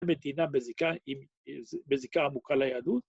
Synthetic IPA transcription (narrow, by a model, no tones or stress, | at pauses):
med̪inabezikaim | bezikaːmukalajad̪ut̪